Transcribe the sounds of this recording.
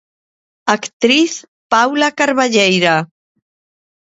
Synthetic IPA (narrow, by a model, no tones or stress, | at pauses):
akt̪ɾiθ | pawlakaɾβaʎejɾa